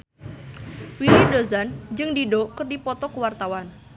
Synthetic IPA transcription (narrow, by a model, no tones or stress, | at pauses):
wilidozand͡ʒɨŋdidɔkɨrdipɔt̪ɔkəwart̪awan